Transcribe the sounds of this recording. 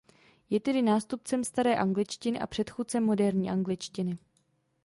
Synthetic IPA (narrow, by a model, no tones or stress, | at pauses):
jɛt̪ɛdɪnaːst̪up̚t͡sɛmst̪aɾɛːʔaŋɡlɪt͡ʃcɪnɪʔa̰pr̝̥ɛt̪xuːt̚t͡sɛmːo̞dɛɾɲiːʔaŋɡlɪt͡ʃcɪnɪ